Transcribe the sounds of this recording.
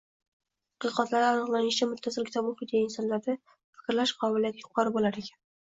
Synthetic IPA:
ɑqʰɨqɒt̪laɾɪanɨqlˠanɪʃt͡ʃʰamʊt̪ʰːasɪlkʲt̪ʰamʊχɪt̪ijaɪnsɒnlaɾd̪a | fɪ̥kʲɾlaʃqʰɒbɪlijat̪jʊqʰɒɾɪbolaɾekʲʰḁn

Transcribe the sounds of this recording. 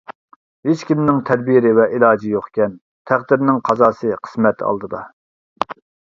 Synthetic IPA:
het͡ʃkʲimnɪŋt̪ʰɛd̪biɾɪvɛʔilˠɑːd͡ʒijoχkʲɛn | t̪ʰæχd̪ɪɾnɪŋqʰɑzɑːsɨqʰə̥smɛt̪ɑ̰lˠd̪ɨd̪ɑ

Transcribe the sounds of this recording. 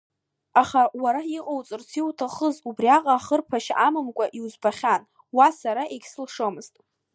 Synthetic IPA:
aχawaɾaiqʼowt͡sʼɨrt͡sʰiwtʰaχəzubriaqʼaːχərpʰaʃamɨmkʷʼaʔiuzbaχʲan | wasaɾaʔeɡʲsɨlʂomɨztʼ

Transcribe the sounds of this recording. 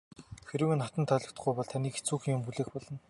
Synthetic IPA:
xeɾɘ̆wĕnχat̪ə̆nt̪ʰœːɮɞ̆kt̪̆ɡujpɔɮt̪ʰaniːxet͡suːxĭŋjʊmxuɮeːxpɔɮɞ̆n

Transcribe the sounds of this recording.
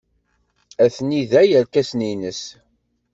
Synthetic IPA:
æθniðæjælkæsninəs

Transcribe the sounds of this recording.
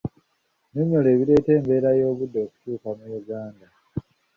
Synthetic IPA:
nemoleːβiɾe̞ːte̞ːmbe̞ːɾajo̞ːβudːo̞ːku̥cuːkamujuɡaːnda

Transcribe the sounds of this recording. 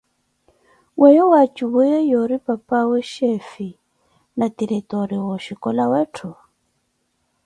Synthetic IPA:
wʔɛjɔwat͡ʃiβujɛjɔɾipapawɛʃɛfi | nat̪iɾitɔɾiwɔʃikɔlawɛtʰɔ

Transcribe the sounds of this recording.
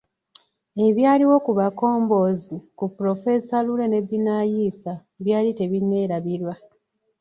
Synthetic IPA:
e̞βjaːliwo̞kuβako̞ːmbo̞ːzikupɾo̞fe̞salule̞ne̞ðinajiːsa | βjaːlite̞βinːe̞ːɾaβiɾwa

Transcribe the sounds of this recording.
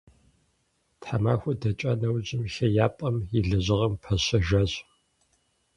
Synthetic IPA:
tħamaːxʷʊdɐt͡ʃʼɐnɐwd͡ʑɪmɬɐjaːpʼɐmjɪɮɨʑɐʁɐmpʰɐɕɐʒaɕ

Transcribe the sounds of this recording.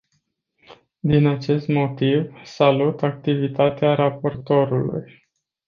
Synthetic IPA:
d̪inat͡ʃe̞st̪mo̞t̪ivsalut̪ak̚t̪ivit̪at̪eaɾapo̞rt̪o̞ɾulṵj

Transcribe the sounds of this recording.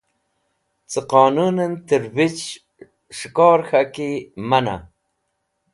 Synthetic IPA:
t͡səqɑːnunənt̪əɾwit͡ʃ | ʂikɑːɾxakimana̰

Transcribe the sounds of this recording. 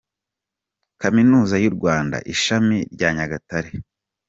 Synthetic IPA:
kaminuːzajuɾɡwaːnda̰ʔiʃamiɾɟaːɲaɡataɾe

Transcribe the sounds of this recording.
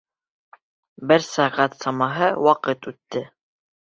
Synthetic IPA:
bɘɾsɑʁæt̪sɑmɑɦɤwɑqɤt̪ʉt̪ːɘ

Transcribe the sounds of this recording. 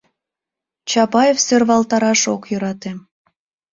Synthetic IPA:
t͡ɕɑpɑjefsørβɑlt̪ɑɾɑʃokjøɾɑt̪em

